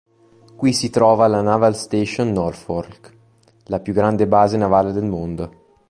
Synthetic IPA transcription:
kwisit̪ɾɔːvalanavalst̪eʃonːɔrfork | lapjuɡɾand̪ebaːzenavaːled̪elmond̪o

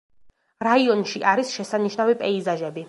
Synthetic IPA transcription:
ɾaiɔnʃiʔaɾisʃɛsaniʃnavipʼɛizaʒɛbi

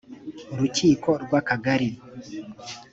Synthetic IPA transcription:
ɾut͡ʃikɔɗɡwakaɡaɾi

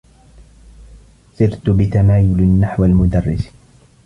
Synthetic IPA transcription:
sɪɾt̪ʊbɪt̪amaːjʊlanːaħwalmʊd̪ɑrˤːɪs

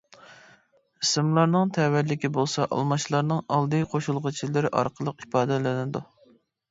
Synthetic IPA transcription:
isɨmlˠɑɾnɨŋt̪ʰɛwæɾlɪkʲibolˠsɑʔɑ̰lˠmɑʃlˠɑɾnɨŋɑlˠd̪ɨqʰoʃulˠʁət͡ʃʰilɪɾɪʔɑ̰ɾqʰəlˠəqipɑːd̪ɨlɪnɪd̪u

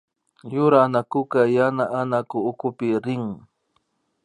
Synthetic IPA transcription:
jʊɾanakʊkajanaʔanakʊːkʊpɪɾɪŋ

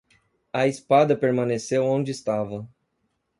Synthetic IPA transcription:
ɐispad̪ɐpeɾmɐ̃nesewõd͡ʒɪːst̪avɐ

